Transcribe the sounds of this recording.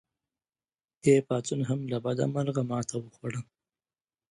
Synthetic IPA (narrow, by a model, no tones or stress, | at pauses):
d̪̥epɑːt͡sunɦamlabad̪a̰maɾɣamɑt̪ʰawəxwaɽəm